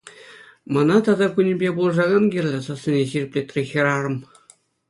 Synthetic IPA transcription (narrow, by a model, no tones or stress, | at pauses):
mɤ̆nɑt̪ɑd̪ɑkunʲɘ̆bʲebulˠɤ̆ʐɑɡɑnɡʲirʲlʲɘ̆sɑsʲĕnʲeɕirʲɘ̆pʲlʲet̪ʲrʲexʲɤ̆ɾɑɾɤ̆m